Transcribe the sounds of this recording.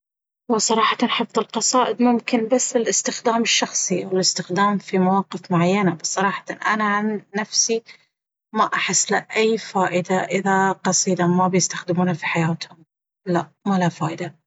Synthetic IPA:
wɪsˤɑɾˤɑːħɑt̪nħɑfðˤɪlqɑsˤɑːʔɪd̪mʊmkɪnbasːɪlɪst̪ɪxd̪aːmɪʃːɑxsˤiʔawɪlɪst̪ɪxd̪aːmfimawɑːqɪfmʊʕajːanabsˤɑɾˤɑːħɑ̥t̪anʔanaʕanːafsi | maʔaħɪsːlɪʔajːfaːʔɪd̪aʔɪðaqɑsˤiːd̪amabjɪst̪axd̪ɪmuːnafiħajaːt̪hʊm | laʔmalafaːʔɪd̪a

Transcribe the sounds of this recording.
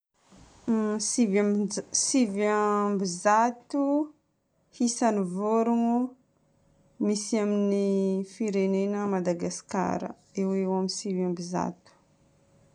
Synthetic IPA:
ivsivambizat̪u | hisanivoɾuŋu | misiaminifiɾenenəmad̪aɡaska̰ɾə̰ | ewewamisivambiza̰t̪u̥

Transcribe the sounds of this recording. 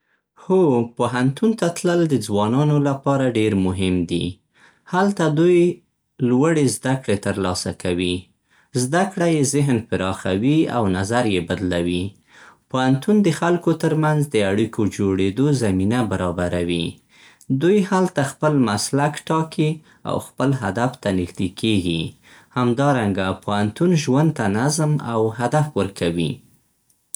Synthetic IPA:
hopoɦant̪unt̪at̪ləld̪əd͡zwɑnɑnolapɑɾaɖeɾmʊɦɪmd̪ḭ | halt̪ad̪uj | lwaɽezd̪akɽet̪əɾlɑsakawi | zd̪akɽajezɪɦnpəɾɑxawia̰wnazaɾjebad̪lawi | poant̪und̪əxalkot̪əɾmanzd̪əaɽikʰod͡ʒoɽed̪ozaminabaɾɑbaɾawi | d̪ujhalt̪axpəlmaslakʈɑki | a̰wxpəlɦa̰d̪aft̪anɪxd̪ekʰeɡi | hamd̪ɑɾaŋɡapohant̪unʒwand̪̚t̪anazma̰wɦad̪afwəɾkʰawḭ

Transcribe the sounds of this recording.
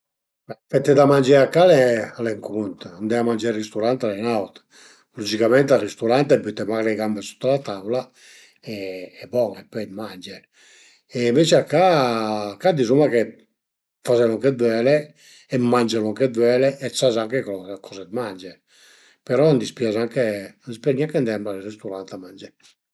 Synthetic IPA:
bɛfɛt̪ːed̪amand͡ʒɛakːalɛalɛŋkunt̪and̪ɛamand͡ʒɛɾrist̪uɾant̪alɛnawt̪ | lɔd͡ʒikamɛnt̪arist̪uɾant̪ɛbyt̪ːɛmaɣleɡambesu̥t̪ːalat̪avula | ɛɛbɔŋɛpːɔjd̪mand͡ʒɛɾ | ɛmvet͡ʃiakːa | kad̪izumake | fazɛlaŋked̪wɛle | ɛmːand͡ʒalaŋked̪wɛːleʔɛsazaŋkekɔkʰɔzed̪mand͡ʒɛ | peɾɔnd̪ispjazaŋkeispaɲiakend̪ɛamaɾrist̪uɾant̪amand͡ʒɛ

